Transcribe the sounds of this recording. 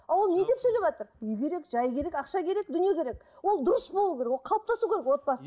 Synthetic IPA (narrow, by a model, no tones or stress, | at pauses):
ɑwo̞lˠne̞d̪e̞psɵjlebʒɑt̪əɾʏjkʲʰe̞ɾe̞kʒɑjkʲʰe̞ɾekɑqʃɑkʲʰe̞ɾek̚d̪ʏnije̞kʲʰe̞ɾek | wo̞lˠd̪ʊɾəsbolˠukʲeɾekwolˠqʰɑlˠəp̚t̪ɑsukʲʰeekwo̞t̪̚bɑs